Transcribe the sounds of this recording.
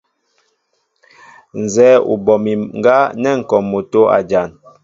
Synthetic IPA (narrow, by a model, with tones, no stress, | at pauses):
n̩˨zɛː˦ṵ˨bɔ˨mi˨ŋ̩˦ɡa˦nɛ˦˨ŋ̩˨kɔ˨mːo˨to˦a̰˨d͡ʒa˨n